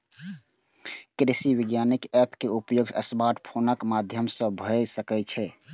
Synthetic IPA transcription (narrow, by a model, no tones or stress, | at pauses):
kɾisiʋɪɡjanikɛpkeupjoɡəsbaʈpʰonəkmad̪ʱjəmsə̃bʱəsəkɛt͡ʃʰɛ